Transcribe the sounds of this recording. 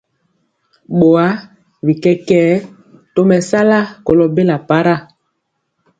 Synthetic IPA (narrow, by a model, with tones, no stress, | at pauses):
ɓo˨a˦ | bi˨kɛ˦kɛː˦ | to˦mɛ˨sa˦la˦ko˨lɔ˨be˦la˨pa˦ɾa˦˨